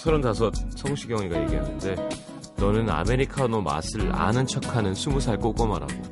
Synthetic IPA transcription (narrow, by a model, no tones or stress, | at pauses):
sʰʌɾontasʰʌt̚sʰʌŋɕʰiɡjʌŋɲiɡaje̞ɡiɦanɯnde̞ | nʌnɯna̰me̞ɾikʰanoma̰sʰɯɭa̰nɯnt͡ɕʰʌkʰanɯnsʰumusʰaɭk͈ok͈omaɾa̰ɡo